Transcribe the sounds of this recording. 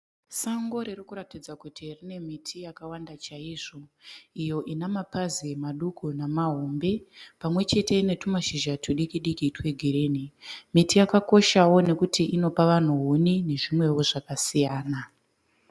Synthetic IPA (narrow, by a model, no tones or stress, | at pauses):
saŋɡo̞ɾerikuɾatid͡zakutirine̞mitʰijakawandat͡ʃaiːʐo̞ijo̞ʔinamapazimaɗukʰunamaɦo̞mbe̞pamwe̞t͡ʃe̞te̞ine̞tumaʃiʒatʰuɗikiɗikitwe̞ɡʱiɾenimitijakako̞ʃawo̞ne̞kutiʔino̞paʋan̤uɦunine̞ʐimwe̞wo̞ʐakasijaːna